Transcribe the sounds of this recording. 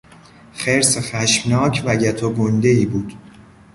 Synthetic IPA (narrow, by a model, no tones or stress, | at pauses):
χeɾsexæʃmnɒːcʰvæɟæt̪ʰoɡond̪eiːbuːd̪̥